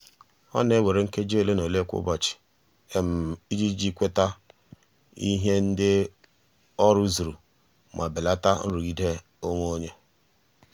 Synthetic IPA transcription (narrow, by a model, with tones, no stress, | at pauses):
ɔ̰˦ne˦we˨ɾe˨ŋ̩˦ke˦d͡ʒle˦no˨le˦kʷʊ̰˦bɔ˨t͡ʃɪ̥˨ | e˦m̩˨i˦d͡ʒi˦d͡ʒi˦kʷe˦ta˦ | i˦ɦe˦n̩˦dɪ˦ | ɔ˦ɾʊ˦zu˨ɾu˨ | ma˨bɪ˨la˦ta˦n̩˦ɾu˨ɡi˦de˦ | o˦ŋʷ˦o˦ɲe˦